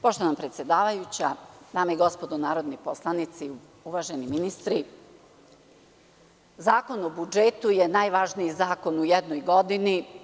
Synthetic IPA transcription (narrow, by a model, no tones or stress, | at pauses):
po̞ʃt̪oʋanapɾet̪sjed̪aːʋajut͡ɕad̪aːmaiɡo̞spo̞d̪onaːɾo̞d̪niposlˠanit̪si | uʋaʒeniminist̪ɾi | zaːko̞nobud͡ʒet̪ujenaːjʋaʒnijizaːko̞nujed̪nojɡo̞d̪ini